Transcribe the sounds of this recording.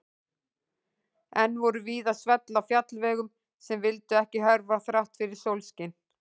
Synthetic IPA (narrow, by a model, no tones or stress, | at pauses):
ɛnːvɔɾʏviːðasvɛt̪lafjat̪lvɛːɣʏm | sɛmvɪlt̪ʏɛhcɪɦœɾvaθɾawht̪fɪɾɪɾ̥sowlscɪn